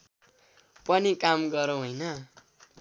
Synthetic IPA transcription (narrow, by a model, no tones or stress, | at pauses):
pʌnikamɡʌɾõɦojnʌ